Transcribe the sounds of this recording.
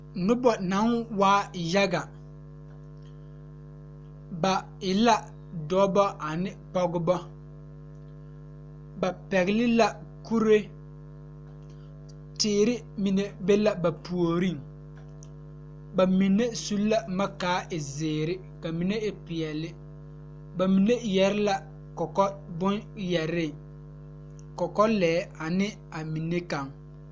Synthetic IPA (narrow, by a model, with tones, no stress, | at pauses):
nʊ˦bɔ˨na˨˦nwaː˦ja˦ɡa˨ | ba˨ | ɪ˨la˦ | dɔː˦bɔ˦ʔa˨nɪ˦pɔ˦ɡʊ˦bɔ˦ | ba˨pɛ˨ɣɪ˨˦lɪ˦la˨ | ku˦ɾe˦ | tɪː˦˨ɾɪ˦ | mi˨ne˨be˦la˨ba˨pu˨o˨ɾi˦ŋ | ba˨mi˨nːe˦su˦lːa˦ma˦kaː˨˦ʔɪ˨zɪː˨ɾɪ˦ | ka˨mi˨ne˦ɪ˦pɪ˨ɛ˨lɪ˦ | ba˨mi˨ne˦jɛ˨ɾɪ˦la˨ | kɔ˨kɔ˦bʊ˦njɛ˨ɾɪ˦˨ | kɔ˨kɔ˦lɛː˨˦a˨nɪ˦ | a˨mi˨nːe˦ka˨ŋ